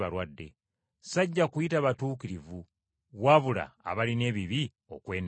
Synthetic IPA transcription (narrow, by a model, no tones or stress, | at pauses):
βalwadːe̞̰ | saɟːakujitaβatuːkiɾivu | βwaβula̰ːβaline̞ːβiβi | o̞̰kwe̞ːn